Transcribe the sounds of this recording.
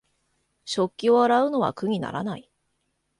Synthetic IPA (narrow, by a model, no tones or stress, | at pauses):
ɕo̞kʲːio̞aɾaɯ̟no̞βa̰kɯ̟ɲ̟ʲina̰ɾa̰nai